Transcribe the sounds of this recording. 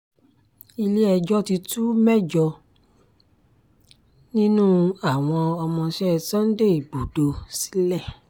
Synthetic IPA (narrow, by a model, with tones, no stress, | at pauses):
i˧le˦ɛ˧d͡ʒɔ˦ti˧tu˦mɛ˦d͡ʒɔ˧ | nĩ˦nũː˦a˦˨w̃ɔ̃˧ɔ˧mɔ̃˧ʃɛ˦˨tã˦n̩˦de˦i˨ɡ͡bo˨do˧si̥˨˦lɛ˦˨